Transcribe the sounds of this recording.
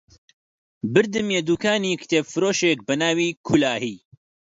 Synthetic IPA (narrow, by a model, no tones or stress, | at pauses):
bɨɾd̪ɨmjeːd̪uːkʰaːniːkʰɨ̥t̪ʰeːbfɨɾoːʃek̚bɛnaːwiːkʰulaːhiː